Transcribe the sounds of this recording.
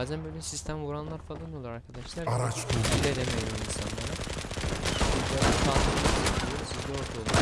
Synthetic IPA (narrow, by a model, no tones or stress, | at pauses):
aːzænbøjlʲɛsist̪ʰæmvuɾanlˠaɾfalˠanolˠaɾaɾkʰad̪aʃlˠaɾaɾat͡ʃt̪ɯiɾed̪emejoinsanlˠaɾɯ | diad̪aɾk̪ʰalˠd̪ɯkd̪aiijoɾsizd̪ɛoɾt̪ʰalˠu